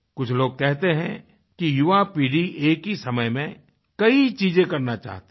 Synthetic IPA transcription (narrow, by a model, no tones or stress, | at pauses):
kʊt͡ʃʰloːɡ̚kɛɦt̪eɦɛ̰̃ | kijʊʋapiːɖieːkisɐməjmẽ | kɐit͡ʃiːzẽkɐɾnat͡ʃa̰ːɦt̪e